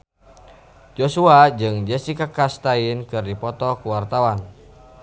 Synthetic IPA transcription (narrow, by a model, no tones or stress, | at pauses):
d͡ʒosuad͡ʒɨŋd͡ʒɛsikakast̪ainkɨrdipɔt̪ɔkuwart̪awan